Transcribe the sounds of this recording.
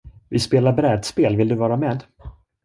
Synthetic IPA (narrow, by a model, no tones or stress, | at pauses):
vɪspeːlaɾbɾɛːd̪speːlvɪld̪ɵvɑːɾamɛːd̪